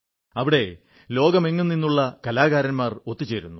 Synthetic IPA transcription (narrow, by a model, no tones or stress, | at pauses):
ɐʋiɽe̞ | lo̞ːɡɐmeŋːunːinːuɭːɐkɐlaːɣaːɾɐnmaːro̞t̪ːit͡ɕːeːɾunːu